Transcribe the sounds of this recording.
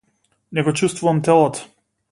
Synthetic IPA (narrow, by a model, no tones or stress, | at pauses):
nɛɡɔt͡ʃust̪vuvamt̪ɛlˠɔt̪ɔ̥